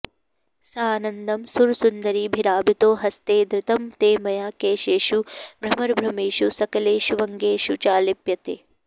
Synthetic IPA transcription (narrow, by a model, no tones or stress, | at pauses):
saːnɐnd̪ɐmsuɾsund̪ɐɾibʱiɾaːbit̪oːɦɐst̪eːd̪ɾɪt̪ɐmt̪eːmɐjaːkeːʃeːʃubʱɾɐmɐɾbʱɾɐmeːʃusɐkɐleːʃʋɐŋɡeːʃut͡ʃaːlipjɐt̪eː